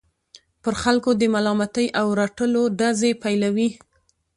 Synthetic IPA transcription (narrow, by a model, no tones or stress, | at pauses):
pəɾxalkod̪əmalɑmat̪əjʔawɾaʈəloɖazepajlawi